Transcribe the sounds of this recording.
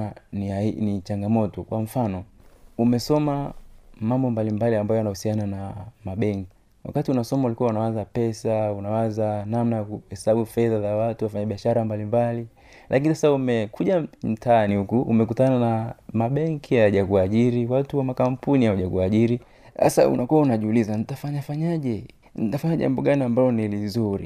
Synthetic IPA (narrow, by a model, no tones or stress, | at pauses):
niainit͡ʃaŋɡamɔtɔkwʔaɱ̩fanɔumɛsɔmamambɔmbalimbaliambajɔjanahusiananamaɓɛŋki̥ | wa̰katiunasɔmaulikuaunawazapɛsaunawazanamnajakuhɛsaɓufɛðazawatuwafaɲaɓiaʃaɾambalimbali | lakinisasaumɛkʰuʄam̩taanihukuʔṵmɛk̬utananamaɓɛŋkʰihajaʄakuaʄiɾiwatuwamakampunihaaʄakuaʄiɾi | a̰sa̰ṵnakuwaunaʄiulizanitafaɲafaɲaʄɛ | nitafaɲaʄa̰mbɔɠaniambalɔnilizuɾḭ